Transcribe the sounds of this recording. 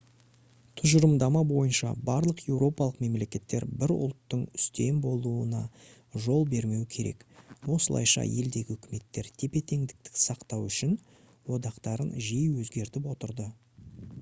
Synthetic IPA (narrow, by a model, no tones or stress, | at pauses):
t̪ʰʊʒəɾəmd̪ɑmɑbo̞jənʃɑ̰bɑɾlˠəqje̞wɾo̞pɑlˠəqme̞mle̞kʲe̞t̪ːe̞ɾbɪɾʊ̰lˠt̪ːəɴʏ̥st̪e̞mbo̞lˠuənɑ̰ | ʒo̞lˠbe̞ɾme̞wkʲʰe̞ɾe̞̰kwo̞səlˠɑ̰jʃɑ̰je̞ld̪e̞ɡʲɪʏkʲɪme̞t̪ːe̞ɾt̪ʰe̞pe̞t̪e̞ŋd̪ɪk̚t̪ɪ̥ksɑqt̪ɑwʏʃɪn | wo̞d̪ɑqt̪ɑɾənʒijwɵzɡʲe̞ɾt̪ɪp̬wo̞t̪əɾd̪ə